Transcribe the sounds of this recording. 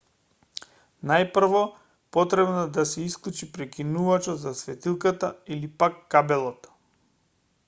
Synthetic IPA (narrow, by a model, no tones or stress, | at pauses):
najpr̩vɔ | pɔt̪ɾɛbnad̪asɛisklˠut͡ʃipɾɛkʲinuvat͡ʃɔt̪zasvɛt̪ilˠkat̪ailipakːabɛlˠɔt̪